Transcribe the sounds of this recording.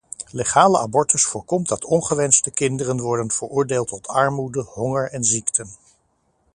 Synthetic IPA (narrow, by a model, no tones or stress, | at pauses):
leχaːləʔabɔɹtəsfʊːɹkɔmdɑtʰɔnχəʋɛnstəkɪndərənʋɔɹdənv̥əɹʊːɹdeːlˠtɔtʰɑɹmudəɦɔŋəɹɛnziktʰən